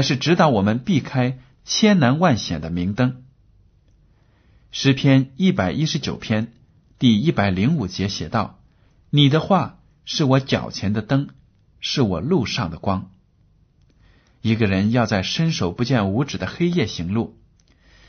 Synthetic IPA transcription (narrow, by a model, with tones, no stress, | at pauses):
ɪʂɻ̩˥˩ʈ͡ʂɻ̩˧˥t̪ɑ˧˥ʊwɔ˨˩mə˧˦npi˥˩kʰa˥ɪ | t͡ɕʰjɛ˥nna˧˥nwa˥˩nɕjɛ˨˩nd̪ə˦mi˧˥ŋt̪ɤ˥ŋ | ʂɻ̩˧˥pʰjɛ˥ni˥˩pa˨˩ɪʔi˥ʂɻ̩˧˥t͡ɕjo˨˩ʊpʰjɛ˥n | t̪i˥˧i˥˩pa˨˩ɪli˧˥ŋu˨˩t͡ɕjɛ˧˥ɕjɛ˨˩t̪ɑ˥˩ʊ | ni˨˩d̪ə˦xwa˥˧ | ʂɻ̩˥˩wɔ˧˥t͡ɕjɑ̰˨˩ʊt͡ɕʰjɛ˧˥nd̪ə˧t̪ɤ˥ŋ | ʂɻ̩˥˩wɔ̰˨˩lu˥˧ʂɑ˥˩ŋd̪ə˩kwɑ˥ŋ | i˧˥ɡə˧ɻə˧˥njɑ˥˧ʊt͡sa˥˩ɪʂə˥nʂo˨˩ʊpu˧˥t͡ɕjɛ˥˩nu˧˥ʈ͡ʂɻ̩˨˩d̪ə˦xe˥ɪjɛ˥˩ɕi˧˥ŋlu˥˩